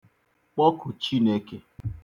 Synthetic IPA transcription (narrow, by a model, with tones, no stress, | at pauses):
k͡pɔ˦kʰʊ˨t͡ʃi˦ne˦ke˦